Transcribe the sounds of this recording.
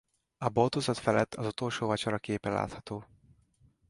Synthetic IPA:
ɒbolt̪oːzɒt̪fɛlɛt̪ːɒzut̪o̞lʃoːvɒt͡ʃɒɾɒkeːpɛlːa̰ːt̪hɒt̪oː

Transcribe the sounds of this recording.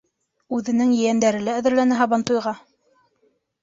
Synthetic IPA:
ʉðɘ̆nɘŋjɘ̆jænd̪æɾɘ̆læːðɘ̆ɾlænæɦɑβɑnt̪ujʁɑ

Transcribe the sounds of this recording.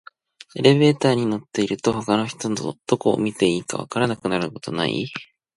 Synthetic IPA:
e̞ɾe̞βe̞ːt̪aːɲ̟ino̞t̪ːe̞iɾɯ̟t̪o̞ho̞kano̞çi̥t̪onod̪̥o̞ko̞̰ːmʲit̪e̞iːka̰βa̰kaɾanakɯ̟naɾɯ̟ko̞̥t̪o̞na̰ḭ

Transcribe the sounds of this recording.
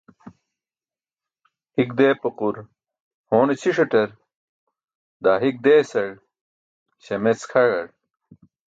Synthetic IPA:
hikd̪eːpɐquɾ | hoːnet͡ɕʰiʂɐʈeɾ | d̪aːɦik̚d̪eːsɐɻ | ɕɐmet͡skʰɐɻɐɽ

